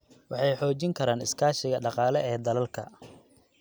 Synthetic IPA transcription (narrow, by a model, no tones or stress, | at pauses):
wɑħɑjħɔːt͡ʃɪŋkʰɐɾaːnɪskʰaːʃɪɣɐɖɑqɑːlɛɛːd̪ɐlɐlkʰɐ̰